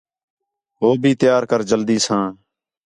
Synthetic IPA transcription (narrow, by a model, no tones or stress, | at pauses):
ɦoːbʱiːt̪ɪjaːɾkəɾd͡ʒəld̪iːsãː